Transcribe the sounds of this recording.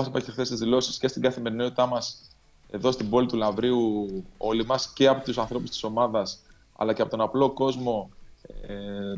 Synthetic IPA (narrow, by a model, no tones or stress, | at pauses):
ɐsipɐɾçexθe̞st̪izðilo̞si̥sce̞st̪iɡɐθime̞ɾino̞t̪it̪ɐmɐs | e̞ðo̞st̪ibo̞lit̪ulɐvɾiuo̞limɐsce̞ɐpot̪usɐnθɾo̞pust̪i̥so̞mɐðɐs | ɐ̰lɐceɐpo̞t̪o̞nɐplo̞ko̞zmo̞